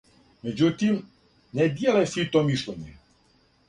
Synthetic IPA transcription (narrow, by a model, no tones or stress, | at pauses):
med͡ʑut̪im | ned̪jelesit̪omiʃlʲeɲḛ